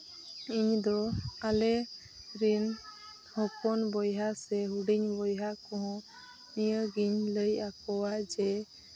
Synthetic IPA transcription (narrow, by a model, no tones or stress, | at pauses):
iɲd̪ɔalɛ | ɾin | hɔkɔnbɔjɦasɛɦuɖiɲbɔjɦakɔ̃ɦɔ̃ | nijəɡiɲləjakɔwad͡ʒɛ